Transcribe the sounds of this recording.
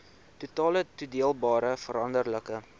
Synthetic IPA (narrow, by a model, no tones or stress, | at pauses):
tutɑːlətudiəlˠbɑːɾəfəɾɐndərləkə